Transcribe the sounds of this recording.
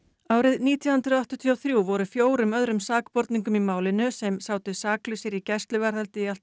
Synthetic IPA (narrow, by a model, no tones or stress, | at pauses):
aːwɾɪðniːt̪ʰjahʏnt̪ɾʏɔht̪ʏt̪ʰiɔwθɾjuvɔɾʏfjoːwɾʏmœðɾʏmsaːkpɔɾt̪niŋkʏmimaːwlɪnʏsɛmsaːwt̪ɪsaːklʏsɪɾicɛ̥st̪lʏvɛɾ̥θalt̪ɪialt̪